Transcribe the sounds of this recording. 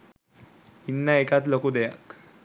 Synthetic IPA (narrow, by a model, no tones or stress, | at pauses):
inːaekat̪lokud̪eja̰k